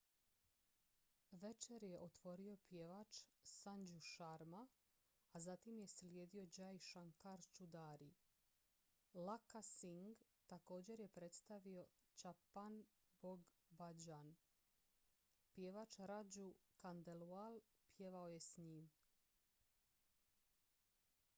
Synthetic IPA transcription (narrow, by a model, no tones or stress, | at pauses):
ʋet͡ʃe̞ɾje̞ʔo̞t̪ʋo̞ɾio̞pje̞ʋat͡ʃsaɲd͡ʑuʃaɾmaː | zat̪imje̞slje̞ːd̪io̞d͡ʑajʃaŋkaɾt͡ʃud̪aːɾi | lakasiŋɡ | t̪ako̞ːd͡ʑe̞ɾje̞pɾe̞t̪st̪aʋio̞t͡ʃapanboɡ | bad͡ʑan | pjeʋat͡ʃɾad͡ʑukand̪elualˠ | pje̞ʋaoje̞sɲiːm